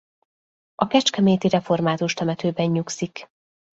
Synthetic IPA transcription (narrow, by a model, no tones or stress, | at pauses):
ʔɒkɛt͡ʃkɛmeːt̪iɾɛfo̞rmaːt̪uʃt̪ɛmɛt̪øːbɛɲːuksik